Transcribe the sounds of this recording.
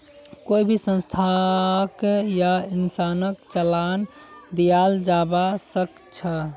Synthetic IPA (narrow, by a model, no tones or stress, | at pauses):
koibʱisə̃nst̪ʰakjainsanəkt͡ʃəland̪ijald͡ʒabasək | t͡ʃʰə